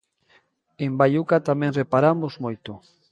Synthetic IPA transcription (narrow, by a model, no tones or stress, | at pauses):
embajukat̪amẽŋrepaɾamozmojt̪o